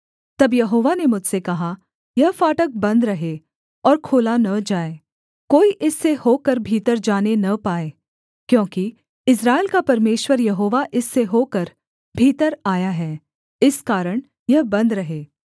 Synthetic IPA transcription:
t̪ɐbjɐɦoːʋanemʊd͡ʒʱsekɐɦa | jɐɦfaːʈək̚bɐ̃nd̪ɾɐɦe | ɔːɾkʰoːlanɐd͡ʒaːe | koːiʔɪsːehoːkəɾbʱiːt̪əɾd͡ʒaːnenɐpaːeː | kjõːki | ɪs̬ɾaːelkapɐɾmeːʃwəɾjɐɦoːʋaʔɪsːeɦoːkəɾ | bʱiːt̪əɾaːjaɦɛː | ɪskaːɾəɽ̃ | jɐɦbɐ̃nd̪ɾɐɦeː

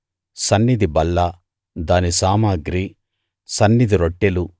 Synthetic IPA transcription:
sɐnːid̪ibɐlːa | d̪aːnisaːmaːɡɾiː | sɐnːid̪iɾoʈːelu

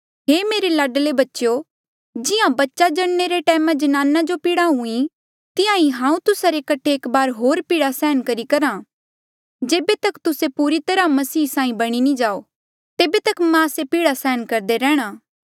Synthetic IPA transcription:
ɦeːmeːɾelaːɖlebɐtːʃo | d͡ʒɪjãbɐtːʃad͡ʒɐɽneɾeʈɛːmãd͡ʒɐnaːnad͡ʒopiːɽaɦũĩ | t̪ɪjãiɦãːũt̪ʊsaɾekɐʈʰeːkbaːɾɦoːɾpiːɽasɛːənkɐɾikɐɾã | d͡ʒeːbet̪ɐkt̪ʊsepuːɾit̪ɐɾamɐsiːsãːĩbɐɽ̃inĩd͡ʒaːo | t̪eːbet̪ɐkmãsepiːɽasɛːənkɐɾd̪eɾɛ̃ːɽ̃aː

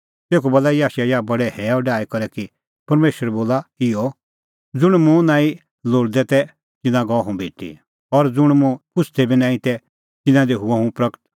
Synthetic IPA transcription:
t̪eːkubolaijaːʃajabɐɽɛhɛːɔɖaːɛkɐɾɛki | pɐɾmeːʃəɾɛboːlaɪɔ | d͡zʊɽ̃mũnãːĩ | loːɽd̪ɛt̪ɛ | tɪ̃nãɡɔɦũbʱeːʈḭ | ɔɾd͡zʊɽ̃mũpʊsʰt̪ʰɛbʱinãːĩt̪ɛ | t̪ɪ̃nãd̪iɦuãɦũpɾɐkt̪

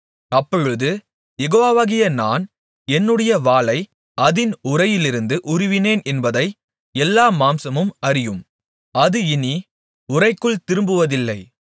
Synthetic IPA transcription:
ɐpːɔɻɯðɯ | jɛɣoːaːʋaɣɪjɐnaːn | ɛnːɯɽɐjɐʋaːlɐɪ | ɐðɪnʊrɐjɪlɪɾɯnd̪ɯʔʊɾʊʋɪneːnɛnbɐðɐɪ | ɛlːaːmaːmsɐmɯmɐɾɪjɯm | ɐðɯɪni | ʊrɐɪkːɯɭt̪ɪɾɯmbɯʋɐðɪlːɐɪ

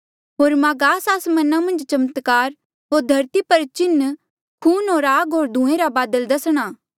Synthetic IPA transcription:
ɦoːɾmaːɡaːsaːsmɐnamɐ̃nd͡ʒt͡ʃɐmət̪kaːɾ | ɦoːɾd̪ʱɐɾt̪ipɐɾt͡ʃɪnː | kʰuːnɦoːɾaːɡɦoːɾd̪ʱũːẽɾabaːd̪əld̪ɐsɽ̃aː

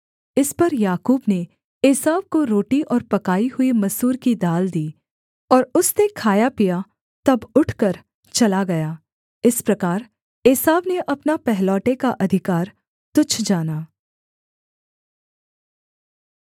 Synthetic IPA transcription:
ɪspɐɾjaːkuːbne | eːsaːʋkoɾoːʈiʔɔːɾpɐkaːihʊimɐsuːɾkid̪aːld̪iː | ɔːɾʊstekʰaːjapija | t̪ɐbʊʈʰkɐɾ | t͡ʃɐlaɡɐjaː | ɪspɾɐkaːɾ | eːsaːʋneʔɐpnapɛɦlɔːʈekaʔɐd̪ʱɪkaːɾ | t̪ʊt͡ʃʰd͡ʒaːnaː

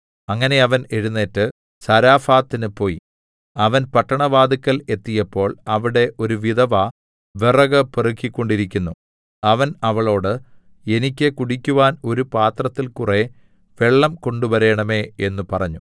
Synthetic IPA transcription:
ɐŋːɐne̞ɐʋɐne̞ɻunːe̞ːtːɨ | sɐɾaːfaːt̪ːinɨpo̞ːjḭ | ɐʋɐnpɐʈːɐɳɐʋaːd̪ikːɐle̞t̪ːijɐpːo̞ːɭɐʋiɽe̞ʔo̞ɾuʋid̪ɐʋɐ | ʋerɐɣɐperikːikʲːo̞ɳɖiɾikʲːunːu | ɐʋɐnɐʋɐɭo̞ːɽɨ | e̞nikʲːɨkuɽikʲːuʋaːno̞ɾupaːt̪rɐt̪ːilkure̞ | ʋe̞ɭːɐmko̞ɳɖuʋɐɾe̞ːɳɐme̞ːe̞nːupɐrɐɲːu

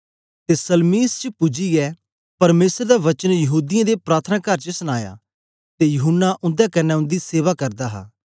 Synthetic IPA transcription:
t̪eːsəlmiːst͡ʃəpʊd͡ʒiɛ | pɐɾmeːsəɾd̪aʋɐt͡ʃənjɐɦuːd̪ijãːd̪epɾaːt̪ʰənaːkəɾt͡ʃəsənaːja̰ː | t̪eːjɐɦʊnːaʔʊ̃nd̪aːkɐnɛːʊ̃nd̪iːseːʋaːkɐɾd̪aːɦa̰ː

